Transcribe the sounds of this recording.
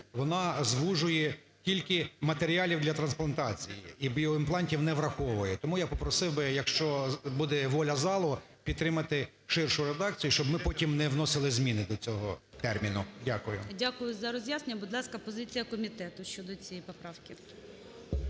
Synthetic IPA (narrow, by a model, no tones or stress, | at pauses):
ʋɔnɑzʋuʒʊjɛ | kʲilʲkɪmɐt̪eɾʲiɑlʲiwd̪lʲɐt̪ɾɐnsplˠɐnt̪ɑt͡sʲijḭibʲiɔɪmplˠɑnʲtʲiwnɛʋɾɐxɔʋʊjɛt̪ɔmujapɔpɾɔsɪwbɪjɐkʃt͡ʃɔbud̪ɛʋɔlʲɐzɑlˠɔ | pʲid̪t̪t̪ːɾɪmɐt̪ɪ | ʃɪrʃʊɾed̪ɑk̚t͡sʲijʊʃt͡ʃɔbmɪpɔtʲimnɛʋnɔsɪlˠɪzʲmʲinɪd̪ɔt͡sʲɔɦɔt̪ɛrmʲinʊdʲakʊjʊ̰dʲakʊjʊzɐɾɔzʲjasenʲɐbʊd̪lˠɑskɐpɔzɪt͡sʲijɐkɔmʲit̪ɛt̪ʊʃt͡ʃɔd̪ɔt͡sʲijipɔpɾɑwkʲɪ